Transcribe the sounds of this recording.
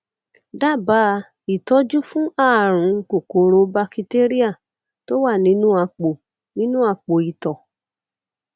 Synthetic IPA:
da˦˨ba˨˦˧ | i˨tɔ˨˦d͡ʒu˦fũ˦a˦˨ɾ̃ũ˨˧˦ko˨ko˨˦ɾo˧˦ba˧ki˧te˦ɾi˦a˦˨ | to˦wa˦˨nĩ˨˦nũ˦a˧k͡po˨ | nĩ˦nũ˦a˧k͡po˨i˨tɔ˨

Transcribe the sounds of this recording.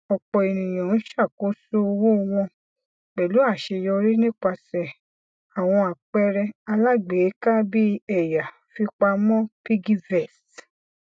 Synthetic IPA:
ɔ˨k͡pɔ˨e˨nĩ˨j̃ã˨n̩˦ʃa˦˨ko˦so˦o˧wo˦˧w̃ɔ̃˧ | k͡pɛ˨lu˨˦a˦˨ʃe˧jɔ˧ɾi˦nĩ˦k͡pa˧sɛ˨ | a˨w̃ɔ̃˧a˨k͡pɛ˧ɾɛ˧a˧la˦ɡ͡be˨˦ka˦bi˦ɛ˨ja˨ | fi˧k͡pa˧mɔ̃˦pi˦ɡi˦vɛ˦˨st

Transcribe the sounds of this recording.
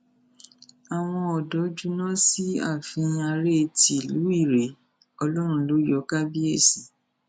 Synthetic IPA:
a˨w̃ɔ̃˧ɔ˨dɔ˨˦d͡ʒu˦nã˦si˦a̰˦˨fĩ˧a˧ɾe˦˨ti˨lu˨˦i˦˨ɾe˨ | ɔ˧lɔ˦ɾ̃ũ˧lo˨˦jɔ˨˦ka˦bi˦e˦˨sĩ˨˦

